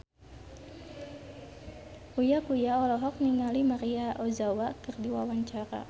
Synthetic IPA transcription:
ujakujaɔlɔɦɔk̚niŋalimaɾiaʔɔzawakərdiwa̰waɲt͡ʃaɾa̰

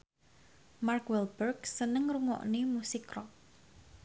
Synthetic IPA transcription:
markwɛlbɛrksənəŋruŋɔ̰ʔnemusikrɔ

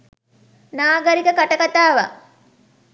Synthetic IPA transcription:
naːɡəɾikəkaʈɐkat̪aːʋa̰

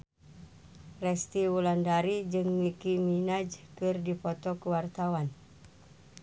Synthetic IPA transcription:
rɛst̪iwulandaɾid͡ʒɨŋmikiminad͡ʒkɨrdipɔt̪ɔkuwart̪awan

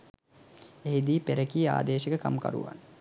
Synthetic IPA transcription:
eɦid̪iːpeɾəkija̰ːd̪eːʃəkəka̰mka̰ɾṵʋa̰n

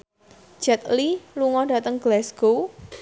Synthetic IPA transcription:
d͡ʒ̥ɛt̪̚liluŋɔda̤t̪əŋɡ̥lɛsɡ̥o

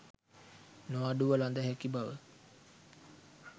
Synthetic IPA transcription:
noaɖuʋəland̪əɦɛkibaʋə

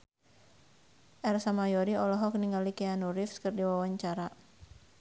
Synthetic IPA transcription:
ʔɛrsamajɔɾiɔlɔɦɔk̚niŋɡalikɛanuɾifskɨrdiwawaɲt͡ʃaɾa

